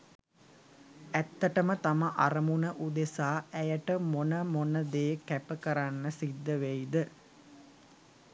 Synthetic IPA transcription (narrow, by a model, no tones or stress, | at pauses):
æt̪ːəʈəmət̪aməʔaɾəmunəʔud̪esaːʔæjəʈəmonəmonəd̪eːkæpəkəɾanːəsid̪ːəʋejd̪ə